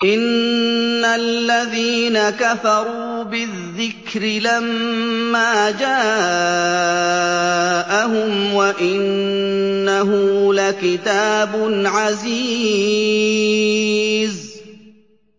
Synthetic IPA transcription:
ʔɪnː | alːaðiːnakafɑɾˤuːbɪðːɪkɾɪlamːaːd͡ʒaː | ʔaɦʊmwaʔɪnː | aɦʊlakɪt̪aːbʊnʕaziː | z

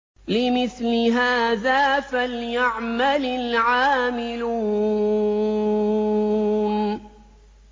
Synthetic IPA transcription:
lɪmɪθlɪɦaːðaːfaljaʕmalɪlʕaːmɪlu | n

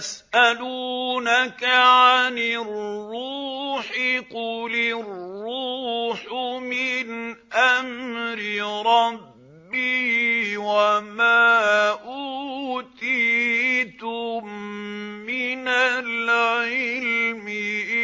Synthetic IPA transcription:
asʔaluːnakaʕanɪrrːuːħɪqʊlɪrːuħmɪnʔamɾɪɾˤɑbː | i | wamaːʔut̪iːt̪ʊmː | ɪnalʕɪlmɪ

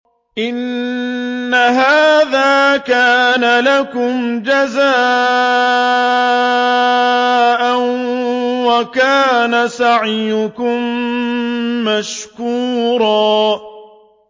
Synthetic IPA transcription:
ʔɪnː | aɦaːðaːkaːnalakʊmd͡ʒazaː | ʔan | wakaːnasaʕɪjʊkʊm | aʃkuːɾˤɑː

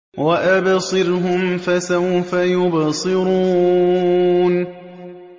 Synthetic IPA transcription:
waʔabsˤɨɾɦʊmfasawfajʊbsˤɨɾuː | n

